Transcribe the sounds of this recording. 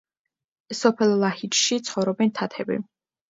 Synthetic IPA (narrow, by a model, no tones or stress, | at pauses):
sɔpʰɛlˠlahit͡ʃʃit̪sʰχɔvɾɔbɛnt̪ʰat̪ʰɛbḭ